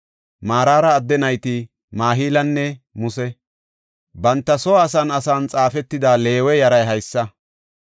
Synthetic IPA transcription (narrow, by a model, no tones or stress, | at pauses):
maːɾaːɾɐːd̪ːɛnɐjt̪ɪ | maːɦiːlɐnːɛmʊsɛ | bɐnt̪ːɐsɔːsɐnɐsaːnt͡sʼaːfɛt̪ːɪd̪aːle̞ːwɛjɐɾɐjɦɐjsːɐ